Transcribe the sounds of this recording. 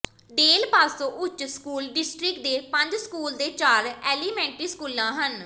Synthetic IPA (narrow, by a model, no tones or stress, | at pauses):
ɖeːlpaːsõːʔʊt͡ʃːskuːlɖɪsʈɾɪk̚d̪eːpə̃ɲd͡ʒskuːld̪eːt͡ʃaːɾɛːliːmɛ̃ːɳʈɾiːskuːlãːɦən